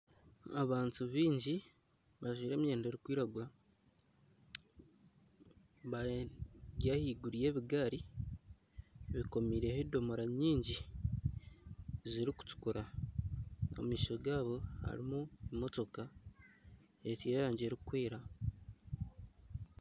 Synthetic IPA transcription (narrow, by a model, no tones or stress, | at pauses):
a̰βaːntuβiːɲɟi | βaʒwiːɾe̞ːmje̞ːnde̞ːɾikwiːɾaɡuɾa | βa | ɟahiːɡuɾije̞ːβiɡaːɾi | βiko̞miːɾe̞hedo̞moɾaɲiːɲɟi | ziɾiku̥tu̥kuɾa | o̰mmiːʃo̞ɡaːβo̞ha̰ɾimuemo̞to̞ka | etjeɾaːɲɟeɾikweːɾa